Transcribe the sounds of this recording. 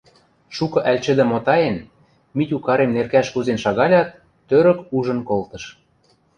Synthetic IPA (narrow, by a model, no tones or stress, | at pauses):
ʃukɤ̆ʔælʲt͡ɕɘ̆d̪ĕmot̪ɑjen | mitʲukɑɾemnerkæʃkuzenʃɑɣɑlʲɑt̪ː | øɾə̆kuʒɤ̆nkolt̪ɤ̆ʃ